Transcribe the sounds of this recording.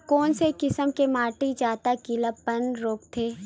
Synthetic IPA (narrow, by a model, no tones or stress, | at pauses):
kɔːnsekɪsəmkemaːʈid͡ʒaːt̪akilapənɾoːkt̪ʰeː